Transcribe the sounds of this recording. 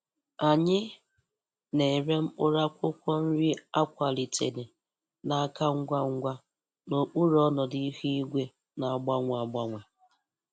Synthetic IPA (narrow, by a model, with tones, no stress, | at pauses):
a˨ɲɪ˦ | ne˨ɾe˦m̩˦k͡pʊ˦ɾa˦kʷʊ˦kʷɔ˦n̩˦ɾi˦a˦kʷa˨li˨tʰḛ˨ne˨ | na˨a˦ka˦ŋ̩˦ɡʷa˦ŋ̩˦ɡʷa˦ | no˨k͡pu˦ɾɔ˦nɔ˨di˦i˦hi˦i˦ɡʷe˦ | na˨ɡ͡ba˦ŋʷa˨ɡ͡ba˦ŋʷa˨